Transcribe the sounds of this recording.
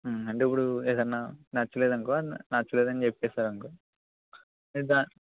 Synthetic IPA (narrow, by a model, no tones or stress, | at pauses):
ɐɳʈeip̬ːuɽueːd̪ɐnːaːnɐt͡ʃːuleːd̪ɐŋkoːnat͡ʃːuleːd̪ɐnit͡ʃepːɛːsaːɾɐŋkoː | d̪aː